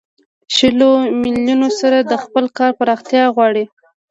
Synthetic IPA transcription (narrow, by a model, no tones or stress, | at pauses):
ʃəlomiljunosaɾad̪əxpəlkɑɾpəɾɑxt̪jɑɣwɑɽi